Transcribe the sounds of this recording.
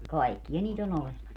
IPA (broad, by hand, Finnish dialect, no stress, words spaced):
kɑikːij̆ɑ niːt on olemɑs